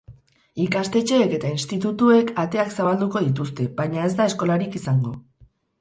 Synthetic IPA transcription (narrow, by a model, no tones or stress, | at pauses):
ikast̪e̞t͡ʃe̞ːke̞t̪ainst̪it̪̬ut̪ue̞kat̪e̞aksaβald̪uko̞ðit̪̬ust̪e̞baɲae̞zd̪ae̞sko̞laɾikisaŋɡo̞